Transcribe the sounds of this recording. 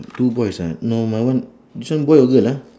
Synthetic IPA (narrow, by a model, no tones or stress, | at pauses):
tubɔjsanɔmawan | disɔnbɔjɔɡɯla